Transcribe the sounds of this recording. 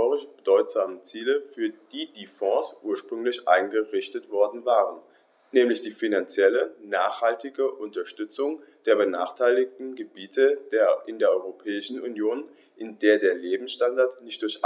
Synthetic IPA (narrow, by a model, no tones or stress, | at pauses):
oʁɪʃb̥ədɔʏtz̥aːmət͡siːləfyːɐd̥iːd̥iːfɔ̃ːsʔuːɐʃpʁ̥ʏŋlɪçʔa̰ɪnɡəʁɪçtətv̥ɔɐdn̩vaːʁən | nɛːmlɪçd̥iːfinant͡sjɛlənaːχhaltɪɡəʔʊntɐʃtʏt͡sʊŋd̥eːɐbənaːχtʰaɪlɪk̚tn̩ɡəbiːtʰədeʔɪndeːɐʔɔʏʁopʰɛːɪʃn̩ʔunjoːn | ʔɪndeːɐdeːɐleːbm̩sʃtandaɐtnɪçtd̥ʊɐç